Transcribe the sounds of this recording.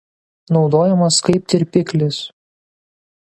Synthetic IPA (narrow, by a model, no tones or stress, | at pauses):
nɒʊd̪oːjɛmɐskɐɪp̚t̪ʲɪɾʲpʲɪkʲlʲɪs